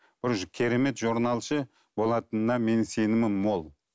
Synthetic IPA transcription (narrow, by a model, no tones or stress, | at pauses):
b̥ɪɾʒkʲʰe̞ɾe̞me̞t̪ʒuɾnɑlˠʃə | bo̞lˠɑt̪ənənɑme̞nse̞nɪmɪnmo̞lˠ